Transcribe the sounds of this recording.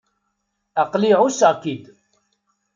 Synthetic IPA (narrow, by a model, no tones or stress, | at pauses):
aqliʕusəʁkid̪